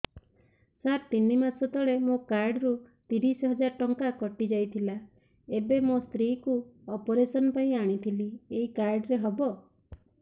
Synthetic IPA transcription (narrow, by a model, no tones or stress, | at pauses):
saɾ̚t̪inimasɔt̪ɔɭemokaɾɖɾut̪iɾisɔɦɔd͡ʒaɾʈɔŋkakɔʈid͡ʒajt̪ʰila | ebemost̪ɾikuɔpɔɾesɔnɔpaĩaɽ̃it̪ʰilieɦikaɾɖɾeɦɔbɔ